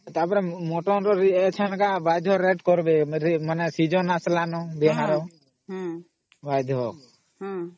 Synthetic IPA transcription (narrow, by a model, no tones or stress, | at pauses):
t̪apɔɾɛmɔʈɔnɾɔɾiɛt͡ʃʰankabajd̪ʱɔɾeʈkɔɾbɛɾmanɛsid͡ʒɔnaslanɔbɛɦaɾɔ | bajd̪ʱɔ